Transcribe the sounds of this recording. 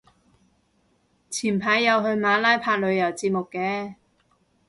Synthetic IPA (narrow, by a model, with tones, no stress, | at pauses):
t͡sʰiː˨˩npʰaː˨˥jːɐ˨˧wɦɵ˧ɥmaː˨˧˥laː˥jpʰaː˧k̚lɵ˨˧ɥjɐ˨˩wt͡siː˧t̚mʊ˨kːɛː˨˧